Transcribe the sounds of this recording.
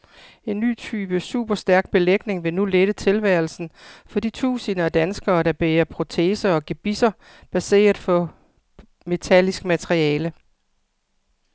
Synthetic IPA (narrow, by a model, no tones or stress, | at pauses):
e̝nːy̰ːt͡sʰyːb̥əsṵːb̥ɐsd̥æɐɡ̥̚b̥e̝leɡ̥ne̝ŋʋe̝nuleɾ̥ət͡sʰe̝lʋæɐl̩sn̩fɒ̽d̥ḭːt͡sʰṵːsinɐɒd̥ænsɡ̥ɐːd̥ɑ̈b̥eːɐpʰʁo̝t͡sʰe̝̰ːsɐɒ̽ɡ̥eb̥isɐ | b̥æse̝̰ːɐðˠfɒ̽ | me̝t͡sʰælisɡ̥mæt͡sʰʁiɛːlə